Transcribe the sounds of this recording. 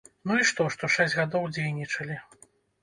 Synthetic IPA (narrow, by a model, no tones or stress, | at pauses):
nuiʂt̪ɔʂt̪ɔʂɛsʲɣad̪ɔwd͡zʲejnʲit͡ʂɐlʲi